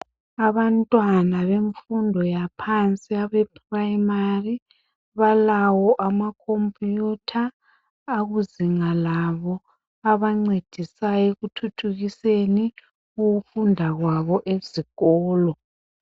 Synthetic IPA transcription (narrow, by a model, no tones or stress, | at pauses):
aβantʼwanaβeɱfundʱɔjapʰant͡sʼiaβɛpʰʼraimari | βalawɔʔamakʰompʼutʰaː | ɣuziŋalaβɔ | aβaŋ͡ǀed̥ʱisajeɣutʰutʰuɣiseni | uɣufundʱaɣwaβɔʔeziɣ̥ɔːlɔ